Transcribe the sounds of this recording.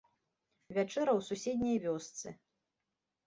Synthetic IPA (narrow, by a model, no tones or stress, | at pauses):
vʲat͡ʂɛɾɐwsusʲed̪ʲnʲɐjvʲɔst̪sɨ